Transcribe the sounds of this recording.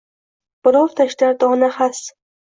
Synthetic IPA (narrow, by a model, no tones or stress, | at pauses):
b̥ɪɾɒwɾt̪ʰaʃd̪aɾd̪ɒːnahas